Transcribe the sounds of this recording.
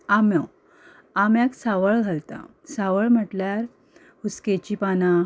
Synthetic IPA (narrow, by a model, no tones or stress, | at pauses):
amɔw | amjaksaʋəɭɡʱalt̪a̰ | saʋəɭm̤əʈljaɾ | husket͡ɕipana